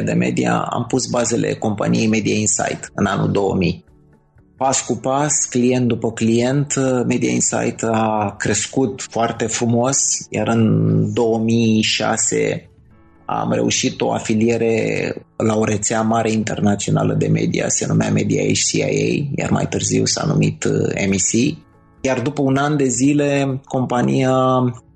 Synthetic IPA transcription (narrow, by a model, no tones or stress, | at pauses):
d̪e̞̰me̞̰d̪ia̰a̰mpusbaze̞lʔe̞̰ko̞mpanije̞jme̞d̪iainsa̰jt̪ɨnanud̪o̞wəmij | paskupasklijent̪̚d̪upəklije̞nt̪me̞d̪iainsa̰jt̪akɾe̞skut̪foart̪e̞fɾumo̞sjaɾɨnd̪o̞wəmiʃa̰se̞̰ | a̰mre̞̰ṵʃit̪o̞̰afilie̞ɾe̞̰lao̞ɾe̞t̪seamaɾe̞int̪e̞rnat̪sio̞na̰lə̰d̪e̞̰me̞̰d̪ḭa̰senumea̰me̞d̪ia̰ḛt͡ʃsia̰jḛjja̰rma̰jt̪ɨrziwsa̰numit̪e̞̰misi | jard̪upəunand̪e̞zile̞ko̞mpanija